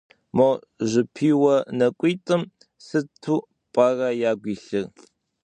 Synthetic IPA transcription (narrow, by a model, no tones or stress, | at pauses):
mo | ʑʷɪpʰiːwɐnɐkʷʼiːtʼɨm | sɨtʰuː | pʼɐrɐjaːɡʷiːɬɨr